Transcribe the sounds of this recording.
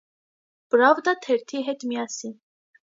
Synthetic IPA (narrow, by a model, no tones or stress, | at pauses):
b̥ɾavd̪at̪ʰɛɾt̪ʰiɦɛt̪mijasi